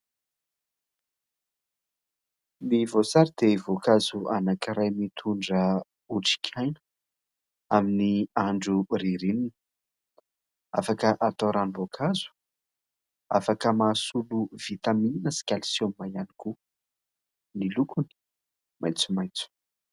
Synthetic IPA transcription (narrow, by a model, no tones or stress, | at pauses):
mivosaɾid̪̥evokazuanakiɾajmit̪ʰuɳɖ͡ʐə | uʈ͡ʂi̥kʰajn | aminiaɳɖ͡ʐuriɾininə | a̰fakəʔat̪oɾanivokʰazu̥ | a̰fakəmaːsuluv̥it̪aminəsi̥kʲalisonmajaniku | nilukuni̥ | majt͡su̥majt͡su̥